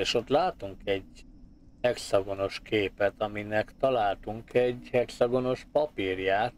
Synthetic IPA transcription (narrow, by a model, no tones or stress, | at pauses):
eːʃo̞t̪laːt̪uŋkɛɟ | hɛksɒɡo̞no̞ʃkeːpɛt̪ɒminɛkt̪ɒlaːlt̪uŋkɛɟhɛksɒɡo̞no̞ʃpɒpirjaːt̪